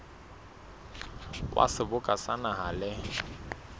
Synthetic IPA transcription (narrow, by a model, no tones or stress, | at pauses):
kʼwʔa̰sɪbʊkʼasanaɦalɪ